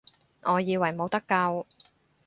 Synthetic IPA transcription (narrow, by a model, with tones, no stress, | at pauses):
ŋɔː˨˧jiː˧wɐ˨˩jmo˨˧wt̪ɐ˥kːɐ˧w